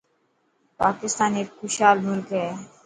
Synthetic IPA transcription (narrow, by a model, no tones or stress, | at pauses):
pa̰ːkɪst̪aːneːkxʊʃaːlmʊlkɦɛː